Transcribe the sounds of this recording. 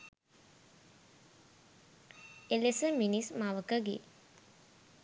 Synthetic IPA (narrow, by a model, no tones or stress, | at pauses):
elesəminismaʋəkəɡḛ